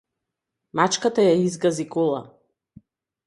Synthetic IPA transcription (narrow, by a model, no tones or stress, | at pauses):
mat͡ʃkat̪ajaizɡazikɔlˠa̰